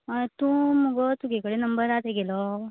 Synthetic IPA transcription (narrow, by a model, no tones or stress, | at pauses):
t̪ũmuɡɔt̪uɡʱekəɽenəmbəɾat̪eɡelɔ